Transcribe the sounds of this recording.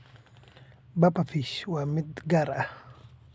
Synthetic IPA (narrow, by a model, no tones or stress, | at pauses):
bapafiʃwamit̪ɡaɾa